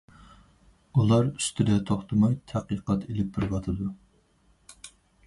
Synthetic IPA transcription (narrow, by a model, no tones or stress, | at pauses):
ulˠɑɾyst̪ʰɪd̪ɛt̪ʰoχt̪ʰɨmɑjt̪ʰæqiqɑt̪ʰelɪp̚bɪɾvɑt̪ʰɨd̪u